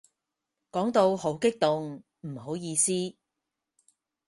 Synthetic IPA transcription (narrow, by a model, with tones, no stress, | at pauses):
kɔː˨˥ŋt̪o˧who˨˥wkɪ˥k̚t̪ʊ˨ŋ | m̩˨˩ho˨˥wjiː˧siː˥